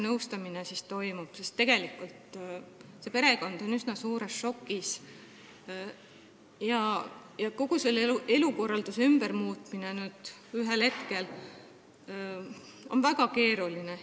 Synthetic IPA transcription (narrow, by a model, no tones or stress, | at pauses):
nɤwst̪ɑminesist̪o̞jmub̥sest̪ːe̞ɡ̥e̞likːˑult̪ | se̞pe̞ɾe̞ko̞nd̪̥o̞nysnɑsuːɾe̞sʃo̞kːˑis | jɑ | jɑko̞ɡ̥uselːeue̞luko̞rːɑld̪usymb̥ermuːt̪ˑmine̞nyːd̪̥yɦe̞lhe̞t̪ke̞l | o̞̰nvæɡ̥ɑke̞ːɾuline̞